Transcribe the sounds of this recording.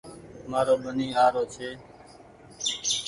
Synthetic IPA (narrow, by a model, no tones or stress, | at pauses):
maːɾoːɓəniːaːɾoːt͡ʃʰeː